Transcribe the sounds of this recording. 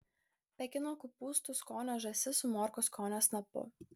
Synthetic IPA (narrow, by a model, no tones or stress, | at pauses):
pɛkʲɪnɔkupust̪uskɔnaʒɛsɪsumɔɾkɔskʰɔnasnapɔ̰